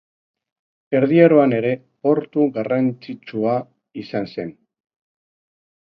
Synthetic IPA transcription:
e̞ɾðiaɾo̞ane̞ɾe̞ | po̞ɾt̪uɣarant͡sit͡ʃua | isanse̞n

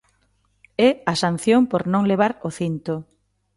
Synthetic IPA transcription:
ɛasan̟θjoŋpoɾnõŋleβ̞aɾoθint̪ʊ

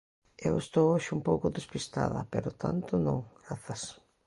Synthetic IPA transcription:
ewest̪owoʃumpowkʊðespist̪a̰ðɐ̰peɾʊt̪ʰa̰nt̪ʊnõŋɡɾaθɐs

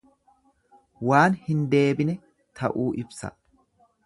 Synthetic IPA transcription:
waːnhɪnd̪e̞ːbɪnɛ | t̪ʰɐʔuːʔɪbsɐ̰

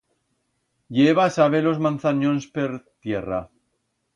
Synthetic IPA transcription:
ʎeβasaβelo̞zmãnθanonspeɾt̪jera

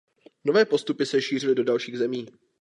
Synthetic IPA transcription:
no̞vɛːpo̞st̪upɪsɛʃiːr̝ɪlɪdo̞dalʃiːɣzɛmiː

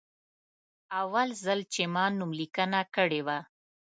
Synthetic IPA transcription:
awalzalt͡ʃemɑnːumlikənakəɽewa

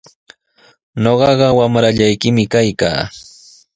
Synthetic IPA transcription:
ɲoɢɑɢɑwamɾaʎajkɪmɪkajka̰ː

